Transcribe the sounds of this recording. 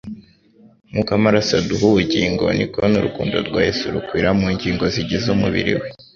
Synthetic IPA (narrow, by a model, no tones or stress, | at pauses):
mukamaɾasaduɦuβuɟiːŋɡo̞̰nḭkonuɾukuːndo̰ɾɡwaːjesuɾukwiːɾamuːɲɟiːŋɡo̞ziɟezumuβḭɾḭwe